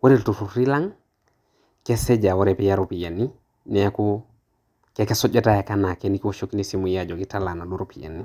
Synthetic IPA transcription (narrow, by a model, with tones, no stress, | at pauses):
wo˦ɾi˦ltu˨fu˨ɾɾi˦la˦ŋ | ke˦se˦d͡ʒa˨wo˦ɾe˨pi˦ja˦ɾopi˨je˨nːi˦ | neaku | keke˦so˦d͡ʒe˦taja˨kana˨keniki˦woʃoki˦nisi˦mujad͡ʒo˨kitala˨na˨du˦ɾopijḛ˨nːi